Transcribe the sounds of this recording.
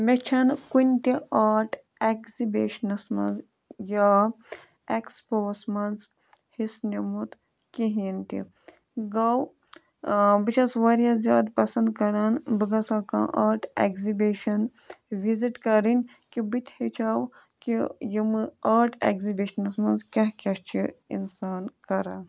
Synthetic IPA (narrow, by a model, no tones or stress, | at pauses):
met͡ʃʰɐnkunʲt̪iaːʈʰ | ekzibʲeːʃnɐsmɐ̰nz | ja | ekspoːsmɐnz | hisnimut̪ | kiɦint̪ḭ | ɡɐw | bit͡ʃʰɐsʋɐɾjaːzʲjaːd̪pɐsɐnd̪kɐɾaːnbɨɡɐsaːkã̰ːʔɐːɾʈʰḛɡzibiːʃɐn | ʋiziʈkɐɾinʲ | kibit̪ʲʰhet͡ʃʰaw | kijimɨaːɾʈʰḛɡzibiʃɐnɐsmɐnzkʲɐɦkʲɐst͡ʃʰiḭnsaːnkɐɾaːn